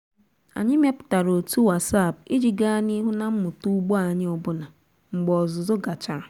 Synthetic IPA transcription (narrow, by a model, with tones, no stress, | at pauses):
a̰˨ɲɪ˦me˦pʊ̥˨ta˨ɾo˨tu˦wa˨sa˦˨bɪ˦d͡ʒi˨ɡa˦ni˦ɦu˦na˦m̩˦mʊ˨tu˦ɡ͡bɔ˦a˨ɲɪ˦o˨bʊ˦na˨ | ŋ͡m̩˨ɡ͡bɔ˨ɔ˨zʊ˨zo˦ɡa˨t͡ʃa˨